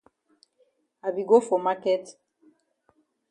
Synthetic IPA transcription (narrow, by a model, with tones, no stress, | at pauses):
a˨bi˨ɡo˦fo˨ma˦kɛ˦t